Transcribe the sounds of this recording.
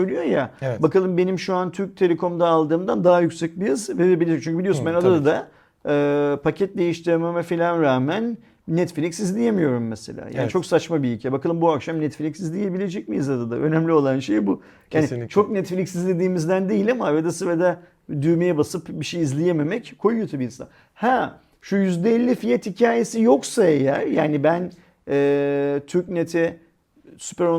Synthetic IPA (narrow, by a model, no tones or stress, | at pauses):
øjlʲyjo̞jabakalˠɯmbe̞nimʃuant̪ʰyɾc̚t̪ʰe̞lʲe̞kʰo̞md̪aːlˠd̪ɯːmd̪and̪aɦajycsɛc̚bijazɯvebilʲt͡ʃʰyɲcybilʲio̞sunbænad̪ad̪ad̪a | ɯːpʰacʰɛt̪̚d̪e̞jiʃt̪ʰiɾememɛfilʲanɾaːmæn | nɛt̪flʲicsizlʲije̞mijo̞ɾumːɛse̞̰lʲa̰ːja̰ːnit͡ʃʰo̞ksat͡ʃmabiiːlʲcʰɛbakalˠɯmbuakʃamnɛt̪flʲiksizlʲije̞bilʲe̞d͡ʒɛcmijizad̪ad̪a̰ʔø̞̰nɛmlʲio̞lˠanʃejbu | jaːnit͡ʃʰo̞knɛt̪flʲiksizd̪ʲe̞d̪iːmizd̪ænd̪ejilʲamaved̪asɯved̪ɛ | d̪yjmejɛbasɯpbiʃejizlʲijeme̞mɛckʰo̞jujot̪ʰabiinsa̰n | hɛ | ʃujyzd̪ɛːlʲːifijat̪hicʰaːje̞sijo̞ksae̞jæɾ̥jaːnibæn | ɛːt̪ʰyɾcnet̪ʰɛ | sypæɾo